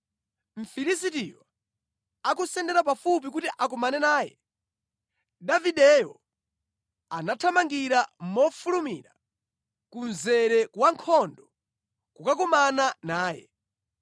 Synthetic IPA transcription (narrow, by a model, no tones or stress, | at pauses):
m̩fiɾisitiwa | akusɛndɛɾap̬afup̬ik̬utiʔak̬ɔmanɛnaːjɛ̰ | daviɗɛjɔ̰ | anatʰamaŋɡiɾam̩mɔfulumḭɾa | kunzɛɾɛkwaŋkʰɔndɔ | kukak̬ɔmananaːjɛ̰